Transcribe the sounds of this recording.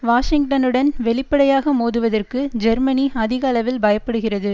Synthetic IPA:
ʋaːʂɪŋɡʈɐnɯɽɐnʋɛɭɪpːɐɽɐjaːɣɐmoːðɯʋɐðɐrkɯd͡ʒɐɾmɐniɐðɪɣɐɐlɐʋɪlbɐjɐpːɐɽɯɣɪrɐðɯ

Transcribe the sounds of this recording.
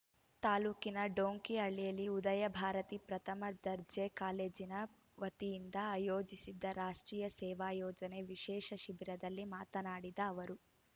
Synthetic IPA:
t̪aːluːkinɐɖoːŋkiɐɭijɐlːiud̪ɐjɐbʱaːɾɐt̪ipɾɐt̪ʰɐmɐd̪ɐɾd͡ʒekaːleːd͡ʒinɐ | ʋɐt̪ijind̪ɐaːjoːd͡ʒisid̪ːɐɾaːʂʈɾiːjɐsɛːʋaːjɔːd͡ʒɐne̞ʋiʃɛːʃɐʃibʱiɾɐd̪ɐlːimaːt̪ɐnaːɽid̪ɐːʋɐɾu

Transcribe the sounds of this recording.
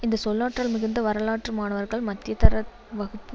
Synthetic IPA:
ɪnd̪ɐsɔlːaːʈrɐlmɪɣɯnd̪ɐʋɐɾɐlaːʈrɯmaːnɐʋɐɾɣɐɭmɐt̪ːɪjɐt̪ɐɾɐ | ʋɐɣɯpːɯ

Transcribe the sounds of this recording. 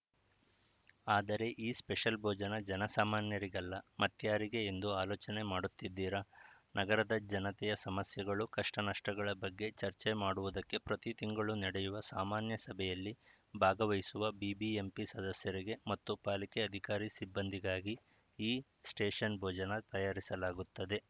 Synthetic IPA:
aːd̪ɐɾe̞ʔiːspeʂɐlbʱɔːd͡ʒɐnɐd͡ʒɛnɐsaːmaːnjɐɾiɡɐlːɐmɐt̪jaːɾiɡe̞ːnd̪uaːloːt͡ʃɐne̞maːɽut̪ːid̪ːiːɾɐ | nʔɐɡɐɾɐd̪ɐd͡ʒɐnɐt̪ɛjɐsɐmɐsjɐɡɐɭukɐʂʈɐnɐʂʈɐɡɐɭɐbɐɡːe̞t͡ʃɐɾt͡ʃemaːɽuʋud̪ɐkːe̞pɾɐt̪it̪iŋɡɐɭunɛɽɛjuʋɐsaːmaːnjɐsɐbʱɛjɐlːi | bʱaːɡɐʋɐjisuʋɐbiːbiempisɐd̪ɐsjɐɾiɡe̞mɐt̪ːupaːlikeɐd̪ʱikaːɾisibːɐnd̪ʱiɡaːɡi | iː | sʈeːʂɐnbʱɔːd͡ʒɐnɐt̪ɐjaːɾisɐlaːɡut̪ːɐd̪e̞

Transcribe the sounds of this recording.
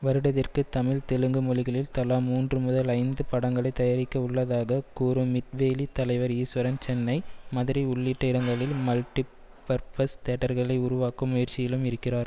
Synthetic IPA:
ʋɐɾɯɽɐðɪrkɯt̪ɐmɪlt̪ɛɻɯŋɡɯmɔlɪɣɐɭɪlt̪ɐlaːmuːndrɯmʊðɐlɐɪnd̪ɯpɐɽɐŋɡɐɭɐɪt̪ːɐjɐɾɪkːɐʊɭːɐðaːɣɐkuːɾɯmɪʈ̪̚ʋeːlit̪ɐlɐɪʋɐɾiːsʋɐɾɐnt͡ʃɛnːɐɪmɐðɪɾiʊɭːɪʈːɐɪɽɐŋɡɐɭɪlmɐlʈːi | pɐɾpɐst̪ɛʈːɐɾɣɐɭɐɪʊɾʊʋaːkːɐmːʊjɐɾt͡ʃːɪjɪlɯmɪɾɯkːɪraːɾ

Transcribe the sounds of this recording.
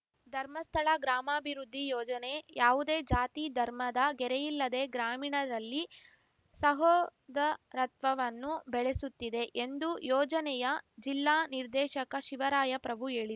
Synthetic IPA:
d̪ʱɐɾmɐst̪ʰɐɭɐɡɾaːmaːbʱiɾud̪ʱːijɔːd͡ʒɐne̞jaːʋud̪e̞ːd͡ʒaːt̪id̪ʱɐɾmɐd̪ɐɡɛɾɛjilːɐd̪e̞ːɡɾaːmiɳɐɾɐlːi | sɐɦɔːd̪ɐɾɐt̪ʋɐʋɐnːubɛɭesut̪ːid̪e̞ʔend̪ujɔːd͡ʒɐnɛjɐd͡ʒilːaːniɾd̪ɛːʃɐkɐʃiʋɐɾaːjɐpɾɐbʱue̞ːɭi

